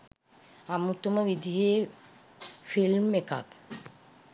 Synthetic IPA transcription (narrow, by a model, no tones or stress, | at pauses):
amut̪uməʋid̪iɦeː | filmeka̰k